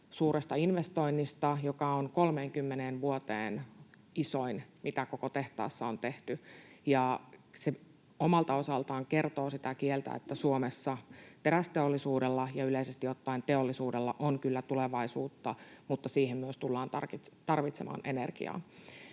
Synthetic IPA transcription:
suːɾest̪ɑinʋest̪o̞inːist̪ɑjokɑonkolmeːŋkymːeneːnʋuot̪ḛːn | isoinmit̪ækokot̪eht̪ɑ̰ːsːɑont̪eht̪yjɑse | omɑlt̪ɑo̞sɑlt̪ɑːŋkert̪oːsit̪ækielt̪æ̰et̪ːæsuomesːɑp̪eɾæst̪eolːisuːdelːɑjɑyleisest̪ijot̪ːɑint̪eolːisuːdelːɑ̰ʔonkylːæt̪uleʋɑisuːt̪ːɑmut̪ːɑsiːhemmyøst̪ulːɑːnt̪ɑrkt̪ɑrʋit̪semɑ̰ːnʔenḛrɡ̥ḭɑ̰ː

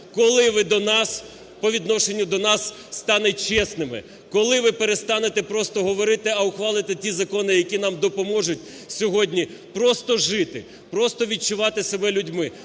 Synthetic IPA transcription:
kɔlˠɪʋɪd̪ɔnɑs | pɔʋʲid̪nɔʃenʲːʊd̪ɔnɑsː | t̪ɑnɛt̚ʲt͡ʃɛsnɪmɪ̰ | kɔlˠɪʋɪpeɾest̪ɑnet̪ɛpɾɔst̪ɔɦɔʋɔɾɪt̪ɪɐʊxʋɑlˠɪt̪ɪtʲizɐkɔnɪjɐkʲinɑmd̪ɔpɔmɔʒʊtʲ | sʲɔɦɔdʲnʲi | pɾɔst̪ɔʒɪt̪ɪ | pɾɔst̪ɔʋʲid̚t͡ʃʊʋɑt̪ɪsebɛlʲʊdʲmɪ

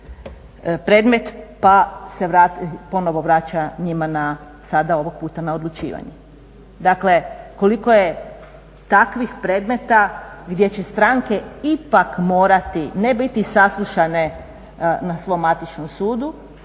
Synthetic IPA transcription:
pɾe̞ːd̪me̞t̪paseʋɾat̪po̞no̞ʋo̞ʋɾat͡ʃaɲimana | sad̪ao̞ʋoɡ̚puːt̪anao̞d̪lˠut͡ʃḭːʋa̰ɲu | d̪akle̞ko̞liko̞je̞ | t̪akʋixpɾe̞d̪me̞t̪aɡd̪je̞t͡ɕe̞st̪ɾaŋke̞ipakmo̞ːɾat̪inebit̪isaslˠuʃane | nasʋo̞mat̪it͡ʃnomsuːd̪u

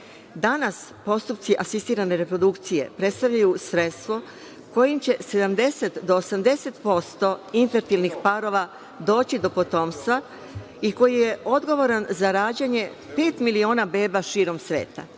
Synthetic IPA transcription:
d̪anaspo̞st̪upt̪siʔasist̪iːɾane̞ɾe̞pɾo̞d̪ukt̪sije̞̰pɾe̞t̪st̪aʋʎajusɾe̞t̪st̪ʋo̞ | ko̞jimt͡ɕe̞se̞d̪amd̪e̞set̪d̪oːsamd̪e̞se̞t̪po̞st̪o̞infeɾt̪ilnixpaɾo̞ʋa | d̪o̞ːt͡ɕid̪o̞po̞t̪o̞mst̪ʋa | iko̞jije̞ʔo̞d̪ɡo̞ʋo̞ɾanzaɾaːd͡ʑeɲe̞ | pe̞ːt̪milio̞ːnabe̞ːbaʃiːɾo̞msʋe̞̰ːt̪a̰

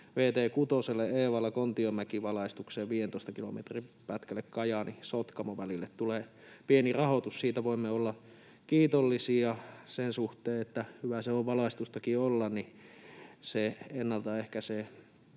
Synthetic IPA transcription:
ʋeːt̪eːkut̪oselːeeːʋɑlːɑkont̪iomækiʋɑlɑˑist̪ukseːʋʋiːjent̪oest̪ɑkilo̰mḛt̪ripæt̪kælːekkɑjɑnisot̪kɑmoʋælilːet̪t̪uleː | pienirɑhot̪ussiːt̪æʋoimːeolːɑ | kiːt̪olːisiːɑsensuht̪eːet̪ːæhyʋæseoʋʋɑlɑˑist̪ust̪ɑkiolːɑnni | seenːɑlt̪ɑehkæse

